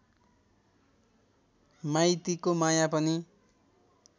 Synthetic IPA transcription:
majt̪ikomajapʌni

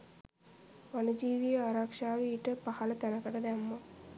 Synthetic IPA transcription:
ʋanud͡ʒiːʋijɐaɾakʂaːʋeiʈəpahɐlɐt̪ænɐkɐʈɐd̪æmːo

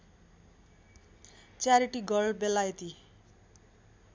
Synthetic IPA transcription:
t͡saɾiʈiɡʌlbelajt̪i

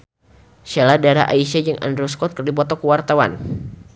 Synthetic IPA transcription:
ʃeladaɾa̰ʔaiʃed͡ʒəŋʔa̰ndɾuskɔt̪̚kərdip̬ɔt̪ɔkəwart̪awa̰n

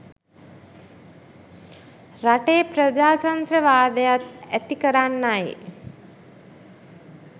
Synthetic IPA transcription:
ɾaʈepɾəd͡ʒaːt͡ʃand̪ɾəʋaːd̪əjat̪æt̪ikəɾanːaj

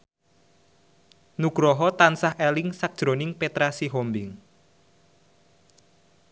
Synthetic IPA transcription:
nuɡ̥ɾɔɦɔt̪ansaɦelɪŋsak̚ʒ̥ɾonɪŋpet̪ɾasiɦɔmbɪŋ

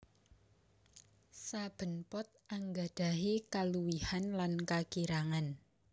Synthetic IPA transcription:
sab̥ə̤npɔt̪̚aŋɡa̤d̥a̤ɦikaluwihanlankakiɾaŋan

